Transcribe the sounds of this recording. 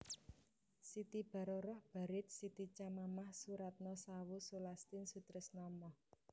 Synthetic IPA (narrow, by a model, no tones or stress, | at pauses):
sit̪ib̥a̤ɾɔɾɔhb̥a̤ɾɪt̪̚sit̪it͡ʃamamahsuɾat̪̚nɔsawusulast̪ɪnsut̪ɾɪsnɔmɔh